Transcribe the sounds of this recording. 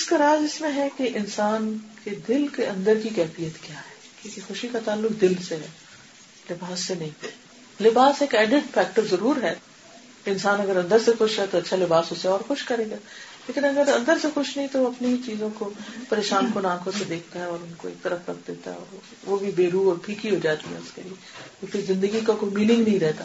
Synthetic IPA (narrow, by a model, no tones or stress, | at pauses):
ɪskaɾaːd͡ʒɪsmẽɦɛkeʔɪnsaːnked̪ɪlkeɐ̃nd̪əɾkikɛːfijət̪kjaːɦɛːkjõːkexʊʃikat̪aːlːʊkd̪ɪlseɦɛ̰ː | lɪbaːsːenɐɦĩ | lɪbaːseːkɛːɖɪɖfɛːk̚ʈəɾzɐɾuːɾɦɛː | ɪ̃nsaːnɐɡəɾɐ̃nd̪əɾsexʊʃɦɛt̪oɐtːʃʰalɪbaːsʊseɔːɾxʊʃkɐɾeːɡaːleːkɪnɐɡəɾɐ̃nd̪əɾsexʊʃnɐɦĩt̪oʋɐpneit͡ʃiːzõkopɐɾeːʃaːnkʊnãːkʰõsed̪eːk̚ʰt̪aɦɛɔːɾʊnkoḛːk̚t̪ɐɾəfɾɐk̚d̪eːt̪a̰ɦɛ̰ɔ̰ːɾ | ʋobʱibeːɾuːɔːɾpʰiːkiɦoːd͡ʒaːt̪iɦɛ̰̃ʊskelie | ɔpʰɪɾzɪ̃nd̪əɡikakoːimiːnɪ̃ŋɡnɐɦĩɾɛɦt̪aː